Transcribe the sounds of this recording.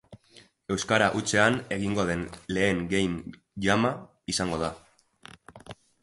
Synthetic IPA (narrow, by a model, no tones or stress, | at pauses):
e̞wskaɾaʔut͡se̞ane̞ɣ̞iŋɡo̞ðe̞nle̞ːŋɡe̞jn | ʝama | isaŋɡo̞ð̞a